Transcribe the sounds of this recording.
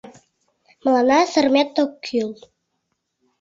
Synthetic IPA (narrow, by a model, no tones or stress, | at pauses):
məlɑnɑsə̆rmet̪ːokʰːyl